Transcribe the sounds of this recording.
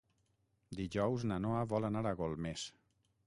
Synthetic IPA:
d̪iʒɔwznanoaβɔlanaɾaɣɔlˠmes

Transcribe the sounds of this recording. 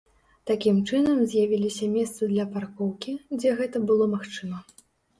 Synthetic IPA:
t̪akʲimt͡ʂɨnɐmzʲjavʲilʲisʲɐmʲɛst̪sɨd̪lʲɐparkɔwkʲid͡zʲɛɣɛt̪ɐbɨlˠɔmaxt͡ʂɨmɐ

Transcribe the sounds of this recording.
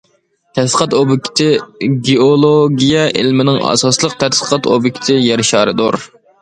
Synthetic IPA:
t̪ʰɛt̪lˠə̥qʰɑt̪obɪkʲʰɪ̥t̪ʰɪɡʲeolˠoɡʲijɛʔɪlmɪnɪŋɑ̰sɑslˠəq̚t̪ʰɛt̪lə̥qʰɑt̪o̰bɪkʲʰɪ̥t̪ʰɪjɛɾɪʃɑːɾɨd̪oɾ

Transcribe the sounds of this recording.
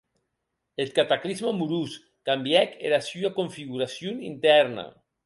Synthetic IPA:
et̪̚kat̪aklizmamuɾus | kambjɛkeɾasyakoɱfiɣuɾasjonint̪ɛɾna̰

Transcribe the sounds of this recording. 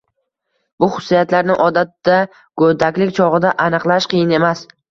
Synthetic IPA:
bʊχʊ̥sːijat̪laɾnɪŋʔɒd̪at̪ːa | ɡ̥od̪akʲlɪkʲt͡ʃʰɒʁɨd̪aʔanɨqlˠaʃqʰɨjɪne̞mas

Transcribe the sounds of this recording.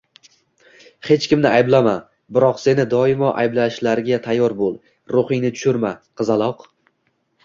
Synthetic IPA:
he̞t͡ʃkʲɪmnɪajblama | bɪɾɒqse̞nɪd̪ɒɪmɒʔajblaʃlaɾɡʲat̪ʰajːɒɾbolˠ | ɾoχɪŋnɪt̪ʰʊ̥ʃʊɾmaqʰɨzalˠɒq

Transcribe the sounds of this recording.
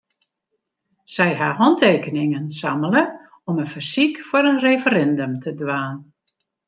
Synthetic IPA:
sɛjɦaɦɔnteːkənɪŋənsamələ | ɔmənfərsikfʊɾənreːfəɾɛndəmtʰədʋaːn

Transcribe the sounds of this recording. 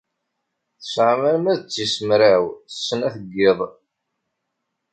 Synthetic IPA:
θə̥sʕaməɾmæðət͡sːisəmɾawθə̥sːənæθəɡːeðˤ

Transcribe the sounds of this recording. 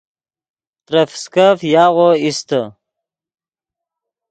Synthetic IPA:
t̪ɾəfskafjaːʁoist̪ə

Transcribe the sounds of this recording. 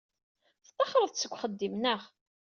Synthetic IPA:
θt̪ˤːɑχəɾˤəðˤt͡sːəɡʷχəd̪ːimnəʁ

